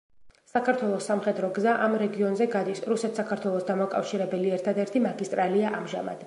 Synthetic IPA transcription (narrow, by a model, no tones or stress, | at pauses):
sakʰaɾt̪ʰwɛlˠɔsːamχɛd̪ɾɔɡzaʔamɾɛɡiɔnzɛɡad̪isɾusɛt̪ʰsakʰaɾt̪ʰwɛlˠɔsd̪amakʼa̰fʃiɾɛbɛliɛɾt̪ʰad̪ɛɾt̪ʰimaɡist̪ʼɾaliaʔamʒa̰ma̰d̪̥